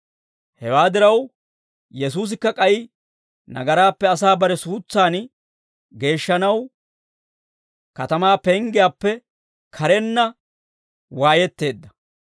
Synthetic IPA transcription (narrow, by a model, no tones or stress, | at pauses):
hɛwaːd̪ɪɾɐw | jɛs̬uːs̬ɪkːɐkʼɐjɪ | nɐ̰ɡɐɾaːpːɛɐsaːbɐɾɛsuːt͡sːaːn | ɡe̞ːʃːɐnɐw | kɐt̪ɐmaːpɛŋɡɪjaːpːɛ | kʰɐɾɛnːɐ | waːjɛt̪ːe̞ːd̪ːɐ̥